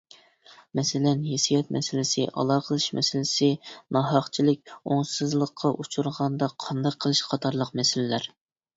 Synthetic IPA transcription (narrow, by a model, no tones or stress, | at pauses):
mɛsɪlɛnɦesijɛt̪̚mɛsɪlɪsɪʔɑ̰lˠɑqʰəlˠɨʃmɛ̰sɪlɪsɪnɑɦɑχt͡ʃʰilɪk̚ʲoŋsɨzlˠəqʰːɑʔut͡ʃʰuɾʁɑnd̪ɑqʰɑnd̪ɑqqʰːəlˠɨʃqʰɑt̪ʰɑɾlˠəqmɛsɪlɪlæɾ